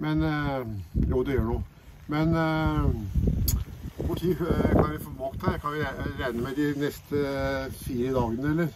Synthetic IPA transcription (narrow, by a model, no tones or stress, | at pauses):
mɛn | juːd̪ɛjøːɳuː | mɛn | ʋʊʈʰiːkʰɑnʋæfɔmokt̪ːækʰɑnʋɪɾæɪnəmɛd̪ɪnɛst̪əfiːɾəd̪ɑːɡənəɛlːəɾ